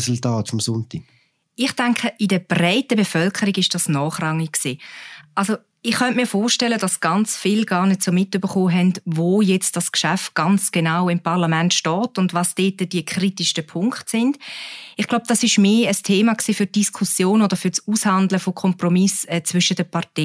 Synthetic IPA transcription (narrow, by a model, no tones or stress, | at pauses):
sultaːtfɔmsʊnti | ɪχd̥ɛŋkʰəʔidəb̥rɛɪtəbefœlkʰəɾiɡɪʃd̥ɑsnɔːχrɑŋɪkksiːʔalzo | ɪχːœntmiːɐfoːʃtɛləd̥ɑsɡ̥ɑnt͡sfɪlɡ̥ɑːʁnɛtsomɪtybəχoːɦɛndvoːjɛt͡std̥ɑskʃæft̚ɡ̥ɑnt͡sɡ̥enaʊɪmpʰɑʁlamɛntʃtɔːtʊndvɑsd̥eːtəd̥iəkʰritiʃtəpʰʊŋkχtsɪnd̥ɪχɡ̥laʊb̥̚d̥ɑsɪʃmeːəstʰeːmɑksiːfyɾt̚d̥iskʰusjoːnodəfʏsuːshɑndləfokʰɔmpromɪsɛːt͡svʏʃədəpʰɑʁtɛ